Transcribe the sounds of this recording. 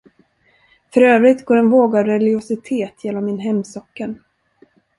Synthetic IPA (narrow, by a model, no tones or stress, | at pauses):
fœɾøːvɾɪt̪ɡoːɾɛnvoːɡavɾɛlɪɡɪʊsɪt̪ʰeːt̪ʰjɛlɔmːɪnɦɛmːsɔkːəɳ